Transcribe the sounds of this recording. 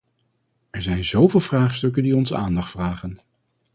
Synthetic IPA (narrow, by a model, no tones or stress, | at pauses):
ɛɹzɛjnzowvɪːlˠvraːχstɵkəndiɔnzəa̰ːndɑχtfraːχən